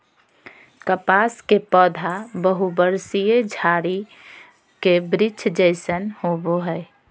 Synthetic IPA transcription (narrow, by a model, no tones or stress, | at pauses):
kəpaskepɔd̪ʱabəɦubəɾsijed͡ʒʱaɾi | kebɾɪt͡ʃʰd͡ʒəɪsənhoboɦɛɪ